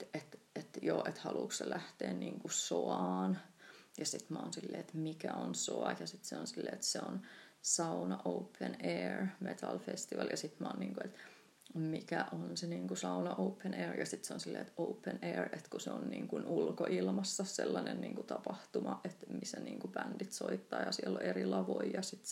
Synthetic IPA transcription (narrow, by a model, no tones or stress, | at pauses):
et̪et̪joːʔet̪hɑluːksselʔæht̪ḛːnniːŋkusoɑːnjɑsit̪mæonsilːḛːet̪mikæonsoɑjɑsit̪seonsilːḛːet̪seonsɑunɑʔoupʰːeneːrmet̪ɑlfest̪iʋɑljɑsit̪mɑonniːŋkuet̪ | mikæʔonseniːŋkusɑunɑʔoupːeneːrjɑsit̪seonsilːḛːt̪oupːeneːret̪kuseonnḭːŋkunulkoʔilmɑsːɑselːɑnennḭːŋkut̪ɑpɑht̪umɑʔet̪misæniːŋkubændit̪soit̪ːɑːjɑsielːoerilɑʋoijɑsit̪